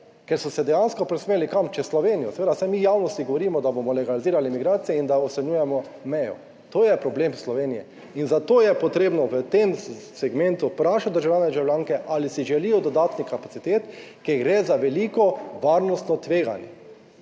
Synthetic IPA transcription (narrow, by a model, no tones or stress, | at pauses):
kɛɾsɔsɛd̪ɛjanskɔpɾɛsmeːlikamt͡ʃɛslɔʋeːnijɔsɛʋeːd̪asɛmijaːwnɔst̪iɡɔʋɔɾiːmɔd̪abomɔlɛɡaliziːɾalimiɡɾaːt̪sijɛind̪aɔsɛɲjuːjɛmɔ | mɛjɔ̰ | t̪oːjɛpɾɔbleːmslɔʋeːnijɛ | inzat̪oːjɛpɔt̪ɾeːbnɔʋət̪emsɛɡmẽnt̪upɾaːʃat̪̚d̪əɾʒawljaːnɛd̪ʒawljaːŋkɛʔalisiʒɛlijɔd̪ɔd̪aːt̪nixkapasit̪eːt̪kɛɡɾezaʋɛliːkɔʋaːɾnɔst̪nɔt̪ʋeːɡa̰njɛ̰